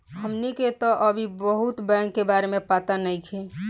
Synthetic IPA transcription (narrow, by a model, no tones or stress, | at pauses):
ɦəmniket̪ɔʔəbʱibəɦut̪bɛ̃ŋkːebaːɾemẽpat̪anəikʰe